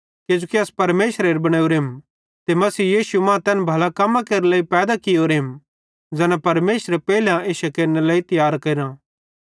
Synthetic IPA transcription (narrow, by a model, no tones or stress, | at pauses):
ked͡ʒoːkiɐspɐɾmeːsɾeːɾbɐɽ̃aːuːɾɦem | t̪emɐsiːjiːsumãːt̪ɛːnbʱɐlakɐmːãkeːɾlaːipɛːd̪akɪjoːɾɦɪm | d͡zɛːnapɐɾmeːʃɾepɛːilãeːʃɐkeɾnelaːit̪ɐjaːɾkɐɾã